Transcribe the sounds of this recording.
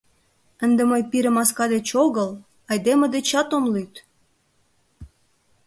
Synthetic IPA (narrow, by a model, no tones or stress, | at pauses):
ənd̪eməjpiɾə̆mɑskɑd̪et͡ɕoɣəl | ɑjd̪emed̪et͡ɕɑt̪omlyt̪